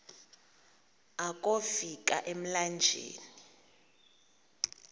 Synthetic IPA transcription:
akʼofik̬ʼaʔem̩land͡ʒʱḛːni

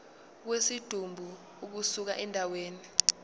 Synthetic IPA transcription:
k̬wesid̥ʱumbʱu | uk̬usuk̬aʔɛndʱaweːni

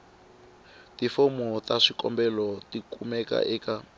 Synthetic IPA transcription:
tifomɔtaʂikɔ̰mbɛlɔtikumɛka̰ʔɛːka

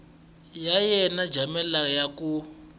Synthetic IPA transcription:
jajɛnad͡ʒʱamɛlajaku

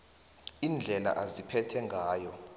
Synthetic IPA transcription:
iːnd͡ɮʱɛla̰ʔazipʰɛtʰɛŋɡʱaːjɔ

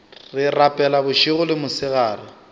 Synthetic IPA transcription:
rɪrapʼɛlabʊʃiɣʊlɪmʊsɪɣaːrɪ

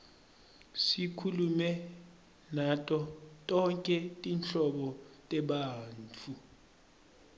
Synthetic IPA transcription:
sikʰulumɛ | natʼɔtʼɔŋkʼɛtʼint͡ɬʰɔɓɔtʼɛɓaːnt͡fʰu

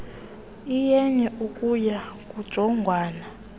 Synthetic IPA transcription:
ijɛɲɛʔukʼujakʼud̥ʒ̥ʱɔŋɡʱwaːna

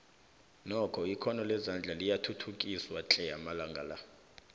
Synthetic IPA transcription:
nɔkʰɔikʰɔnɔlɛzand͡ɮʱalijatʰutʰukʼiswat͡ɬʼɛja̰malaŋɡʱala

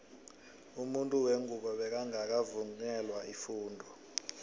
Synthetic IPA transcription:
umuntʼuweŋʼuɓɔɓɛk̬aŋak̬avuŋɛlwaifuːndʱɔ

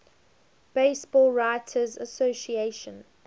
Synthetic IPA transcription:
b̥eɪsb̥ɔːlˠɹaɪtʰəzəsoʊsieɪʃə̃n

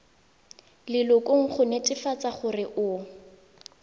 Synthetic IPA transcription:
lɪlʊkʼoŋ̩χʊnetʼɪfat͡sʼaχʊrɪʔʊ

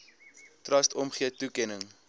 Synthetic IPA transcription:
trɐstʰɔmχiətukɛnəŋ

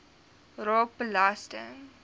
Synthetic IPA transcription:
ɾɔk̚pəlastə̰

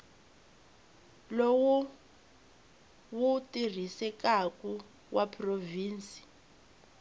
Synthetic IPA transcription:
lowu | wutʼir̤isɛkaku | wapʰʼroviːnt͡sʼi̥

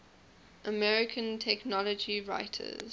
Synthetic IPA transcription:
ʔəmɛɹɪkʰə̃ntʰɛknɔlɔd͡ʒiɹa̰ɪtʰə̰z

